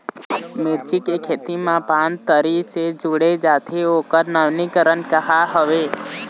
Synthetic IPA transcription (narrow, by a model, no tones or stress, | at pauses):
mɪɾt͡ʃikekʰeːt̪imãpãnt̪əɾised͡ʒuɽed͡ʒat̪ʰeokəɾnəʋnikəɾənkəɦaɦəʋe